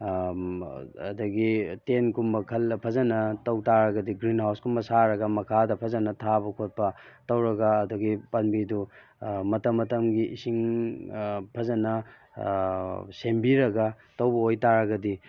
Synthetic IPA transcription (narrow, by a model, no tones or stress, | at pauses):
ɐ̰dɐɡitenkumbɐkʰɐlpʰɐzɐnɐtɐwtaɾɐɡɐdiɡɾinhawskʰumbɐsaɾɐɡɐmɐkʰadɐpʰɐzɐnɐtʰabɐkʰot̚pɐtɐwɾɐɡaːdɐɡipɐnbidu | mɐtɐmːɐtɐmɡiʔisiŋ | pʰɐzɐnɐ | sembiɾɐɡa | tɐwbɐojtaɾɐɡɐdi